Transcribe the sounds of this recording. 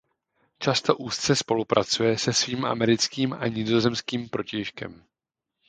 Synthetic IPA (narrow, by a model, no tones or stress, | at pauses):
t͡ʃast̪o̞ʔuːst͡sɛspo̞lupɾʔat͡sujɛsɛsviːmʔa̰mɛɾɪt͡skiːmʔa̰ɲɪzo̞zɛmskiːmpɾo̞cɛjʃkɛ̰m